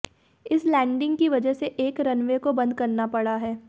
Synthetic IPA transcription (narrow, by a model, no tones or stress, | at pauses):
ɪslɛ̃ːɳɖɪ̃ŋɡkiʋɐd͡ʒəɦseʔeːkɾɐnʋekobɐ̃nd̪̚kɐɾnapɐɽaɦɛː